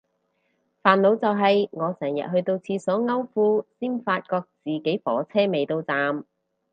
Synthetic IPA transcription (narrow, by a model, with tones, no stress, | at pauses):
faː˨nlo˨˧wt͡sɐ˨wɦɐ˨jŋɔː˨˧sɛː˨˩ŋjɐ̰˨t̚ɦɵ˧ɥt̪o˧wt͡sʰiː˧sɔː˨˥ŋɐ˥wfuː˥siː˥nfaː˧t̚kɔː˧k̚t͡siː˨ke˨˥jfɔː˨˥t͡sʰɛː˥me˨jt̪o˧wt͡saː˨m